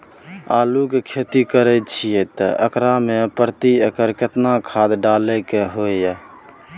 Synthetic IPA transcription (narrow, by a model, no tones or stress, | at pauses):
aːlukekʰet̪ikəɾɛt͡ʃʰijɛt̪ə̰ʔəkɾamepəɾt̪iəkəɾket̪nakʰad̪ɖalɛkeɦojjɛ